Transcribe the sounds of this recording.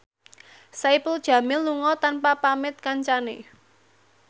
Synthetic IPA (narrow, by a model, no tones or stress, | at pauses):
saipəld̥ʒ̥ä̤mɪlːuŋɔt̪anpapamɪt̪̚kaɲt͡ʃane